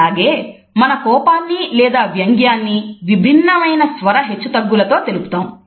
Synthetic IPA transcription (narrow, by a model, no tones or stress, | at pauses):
aːɡe̞ː | mɐnɐkɔːpaːnːilɛːd̪aːʋjɐŋɡjaːnːiʋibʱinːɐmɐjnɐsʋɐɾɐɦe̞t͡ʃːut̪ɐɡːulɐt̪o̞ːt̪e̞lupu̥t̪aːm